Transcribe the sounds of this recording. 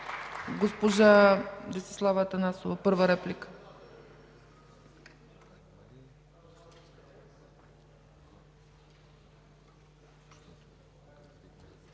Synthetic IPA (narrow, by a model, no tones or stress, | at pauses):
ɡospoʒad̪isɛ̥slˠavət̪ənasovɐpɤɾvəɾɛplikə̥